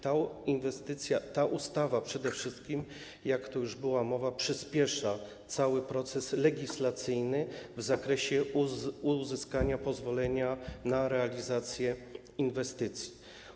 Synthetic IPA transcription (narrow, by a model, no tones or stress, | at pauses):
t̪ainvɛst̪ɘt̪sʲjat̪aʔust̪avapʂɛd̪ɛfʂɘst̪̚kʲim | jakt̪ɔjuʐbɘwamɔvapʂɘspʲjɛʂa | t̪sawɘpɾɔt̪sɛslɛɡʲislat̪sɘjnɘvzakɾɛɕɛuzɘskaɲapɔzvɔlɛɲanaɾɛalʲizat̪sʲjɛ | invɛst̪ɘt̪sʲji